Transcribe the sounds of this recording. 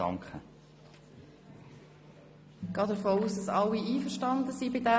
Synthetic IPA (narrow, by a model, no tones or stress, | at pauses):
ɑ̰ŋkχə | ɡ̥ɑːdəɾfoːuːsdɑsɑliiːfəʃtɑndəsiːbɪdæ